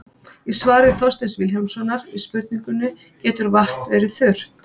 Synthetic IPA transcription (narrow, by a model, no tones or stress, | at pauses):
isvaːɾɪθɔst̪ɛnsvɪljawmsɔnːaɾispʏɾt̪niŋkʏnːʏ | cɛːt̪ʏɾvaht̪vɛːɾɪθʏr̥t̪